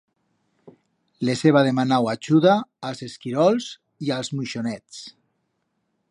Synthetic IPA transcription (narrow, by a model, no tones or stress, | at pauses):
leseβaðemanawaʒuðaːlˠzeskiɾɔlz | ialˠzmuʃonɛt͡s